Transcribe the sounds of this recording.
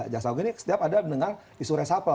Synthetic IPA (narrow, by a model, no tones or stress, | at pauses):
d͡ʒaksauɡinisə̥t̪iapadamənəŋar | isuɾɛsapə